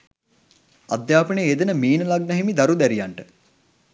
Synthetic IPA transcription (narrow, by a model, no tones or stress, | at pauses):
ad̪jaːpəneed̪ənəmiːnəlaɡ̚nɐɦimid̪aɾud̪æɾijaɳʈə